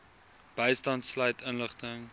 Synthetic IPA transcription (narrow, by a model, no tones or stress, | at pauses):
b̥əjstɐntslɐjtənləχtəŋ